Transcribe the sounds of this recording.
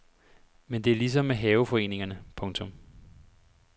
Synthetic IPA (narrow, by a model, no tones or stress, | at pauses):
mend̥e̝æɐlis̬ɒ̽mːeɦɛːʊfɒ̽e̝̰ːne̝ŋɐnəpʰɔ̽ŋt͡sʰɔ̽m